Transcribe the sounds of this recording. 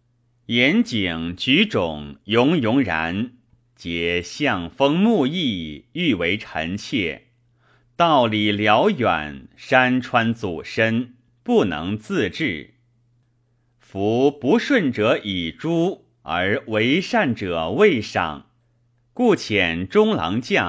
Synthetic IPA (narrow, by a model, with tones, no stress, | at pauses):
jɛ˧˥nt͡ɕi˨˩ŋt͡ɕy˧˥ʈ͡ʂʊ˨˩ŋjʊ˧˥ŋjʊ˧˥ŋɻa̰˧˥n | t͡ɕjɛ˨˩ɕjɑ˥˧ŋfɤ˥ŋmu˥˧i˥˩y˥˩we˧˥ɪʈ͡ʂʰə̰˧˥nt͡ɕʰjɛ˥˩ | t̪ɑ˥˩ʊli˨˩ljɑ˧˥ʊja̰˨˩˦nʂa˥nʈ͡ʂʰwa˥nt͡su˨˩ʂə˥n | pu˥˩nɤ̰˧˥ŋt͡sɹ̩˥˧ʈ͡ʂɻ̩˥˩ | fu˧˥pu˧˥ʂwə˥˩nʈ͡ʂɤ˧˥ʔi˨˩ʈ͡ʂu˥ | ə˞˧˥we˧˥ɪʂa˥˩nʈ͡ʂɤ˨˩we˥˧ɪʂɑ̰˥˩ŋ | ku˥˩t͡ɕʰjɛ˨˩nʈ͡ʂʊ˥ŋlɑ̰˧˥ŋt͡ɕjɑ˥˩